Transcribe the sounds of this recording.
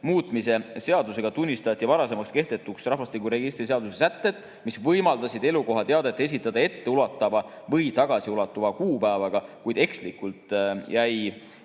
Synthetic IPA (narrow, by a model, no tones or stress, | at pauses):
muːt̪ˑmise̞se̞ɑd̪use̞ɡ̥ɑt̪unʲːist̪ɑt̪ːˑjɑvɑɾɑse̞mɑkske̞ht̪e̞t̪ːuksrɑɦvɑst̪ikuɾe̞ɡist̪rise̞ɑd̪̥usesæt̪ːe̞d̪̥ | misvɤjmɑld̪ɑsid̪̥e̞luko̞ɦɑt̪e̞ɑd̪et̪ːˑe̞s̬it̪ːˑɑd̪̥ɑe̞t̪ːe̞ulɑt̪ˑːɑvɑ | vɤjt̪ɑɡ̥ɑsiulɑt̪ːˑuvɑkuːpæːvɑɡ̥ɑkujd̪̥e̞kslikult̪ˑjæj